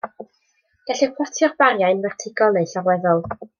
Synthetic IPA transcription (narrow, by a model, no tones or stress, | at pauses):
ɡ̥aɬɛpʰwɔtʰjɔrb̥aɾjajnvɛrtʰɪɡɔlˠnejɬarwɛðɔlˠ